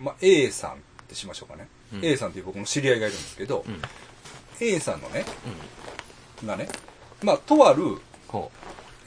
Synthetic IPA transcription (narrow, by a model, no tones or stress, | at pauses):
maʔeːsã̰nt̪e̞ɕimaɕo̞kane̞ | e̞ːsãnt̪eiɯbo̞kɯ̟no̞ɕiɾʲiaiɡaiɾɯ̟̃nd̪esɨ̥ke̞d̪o̞ | e̞ːsã̰nːo̞̰ne̞ | ɡane̞ | maːt̪o̞βaɾɯ̟